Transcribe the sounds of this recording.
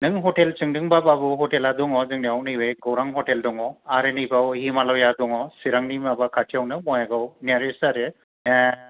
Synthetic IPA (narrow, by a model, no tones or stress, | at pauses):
nɯŋɦɔtelt͡ʃɯŋdɯŋbababɯɦɔteladɔŋɔzɯŋdiawnɯbɯjɡɔwɾaŋɦɔteldɔŋɔaɾenibawhimalɔwjadɔŋɔsiɾaŋnimabakʰatʰijawnɯmɔjaɡawniaɾesaɾe | ɛ